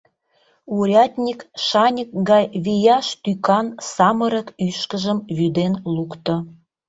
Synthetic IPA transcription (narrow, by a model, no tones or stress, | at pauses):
uɾʲɑt̪ʲnʲikʃɑnʲək̚ɡɑjβijɑʃt̪ykɑnsɑmə̆ɾə̆kyʃkə̆ʒə̆mβyd̪enlukt̪ŏ